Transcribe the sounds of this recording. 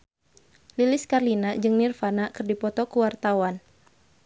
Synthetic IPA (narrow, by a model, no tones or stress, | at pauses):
lilɪskarlinad͡ʒɨŋnɪrfanakɨrdipɔt̪ɔkuwart̪awan